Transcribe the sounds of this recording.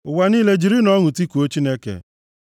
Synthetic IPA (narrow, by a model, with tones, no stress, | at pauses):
ʊ˨wa˦niː˦le˦d͡ʒi˨ɾi˦nɔ˦ŋʊ˨ti˦ku˨o˦t͡ʃi˦ne˦kḛ˨